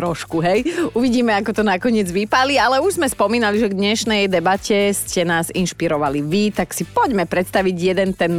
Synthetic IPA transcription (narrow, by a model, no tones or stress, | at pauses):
t̪ɾɔʃkuɦɛjuʋiɟiːmɛakɔt̪ɔnakɔɲɪɛd͡zʋipalialɛuʒzmɛspɔmiːnaliʒɛɡd̪ɲɛʃnɛjd̪ɛbacɛscɛnaːzinʃpiɾɔʋaliʋit̪aksipɔɟmɛpɾɛt̪st̪aʋiɟjɛd̪ɛnt̪ɛn